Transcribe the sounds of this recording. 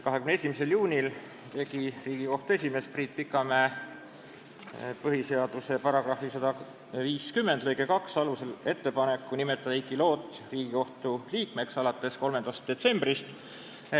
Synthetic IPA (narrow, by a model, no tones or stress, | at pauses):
kɑɦekymnesʲimise̞ljuːnʲil | t̪e̞ɡiriːɡ̥iko̞ht̪ue̞sʲime̞spriːt̪̚pikːˑɑmæː | pɤɦise̞ɑd̪̥use̞pɑɾɑɡ̥rɑhfisɑd̪̥ɑ | viːskymːend̪lɤjɡekɑksɑluse̞le̞t̪ːe̞pɑne̞kːunime̞t̪ːˑɑd̪ɑikˑːilo̞ːt̪ːˑriːɡ̥iko̞ht̪uliːkme̞ksɑlɑt̪ːˑe̞sko̞lmend̪̥ɑst̪̚d̪̥e̞t̪se̞mbrist̪